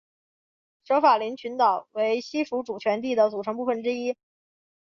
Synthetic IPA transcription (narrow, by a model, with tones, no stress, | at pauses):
ʂɤ˧˥ʊfa˨˩li˧˥nt͡ɕʰy˧˥nt̪ɑ˨˩˦ʊwe˧˥ɪɕi˥fu˧˥ʈ͡ʂu˨˩t͡ɕʰɥɛ˧˥nt̪̬i˥˩d̪ə˩t͡su˨˩ʈ͡ʂʰɤ˧˥ŋp̬u˥˩fə˩nʈ͡ʂɻ̩˥i˥